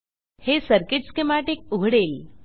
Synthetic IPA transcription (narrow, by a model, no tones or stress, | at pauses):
hesəɾkiʈskemaʈik̚uɦɽeːl